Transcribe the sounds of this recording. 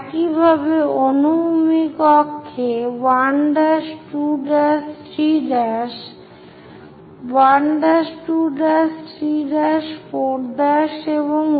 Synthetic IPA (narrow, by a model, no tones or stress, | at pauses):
kibʱabeonubmikɔkʰːebaɳɖaʃʈuɖas | ɾiɖaʃ | baɳɖaʃʈuɖasɾiɖaʃpoɾd̪aʃeβoŋ